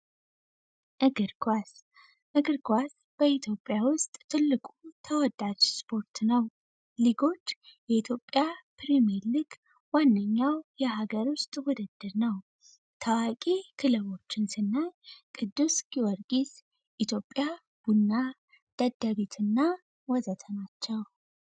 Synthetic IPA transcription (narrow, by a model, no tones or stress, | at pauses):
ʔɨɡɨɾkʰwas | ʔɨɡɨɾkʰʷas | b̥əit̪ʰjo̞pʼːjawʊst̪ʼt̪ʰɨlːɨkʼut̪ʰəwɔd̪ad͡ʒspʰo̞ɾt̪ʰnəw | liɡo̞t͡ʃːjɛit̪ʰjo̞pʼːjapʰɾimeɾlɨɡ | wanːəɲːawjɛhaɡəɾwʊst̪ʼwɔd̪ɨd̪̥ːɨɾnəw | t̪ʰawakʼikʰɨlɨβo̞t͡ʃːɪnsɨnːakʼɨd̪ːusɡ̥iwɔɾɡis | ʔit̪ʰjo̞pʼːja | b̥unːa | d̪̥ad̪ːaβet̪ʰɨnːa | wɔzət̪ʰənat͡ʃːɛw